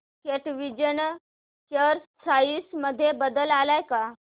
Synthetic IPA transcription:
keʈʋid͡ʑən | t͡ɕəɾssajisməd̪ʱːjebəd̪əlalajka

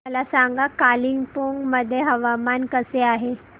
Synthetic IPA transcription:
əlasaŋɡakaliŋɡpoŋɡməd̪ʱːjeɦəʋamankəseaɦe

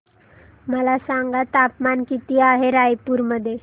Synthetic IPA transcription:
məlasaŋɡat̪apmankit̪iaɦeɾajpuːɾməd̪ʱːje

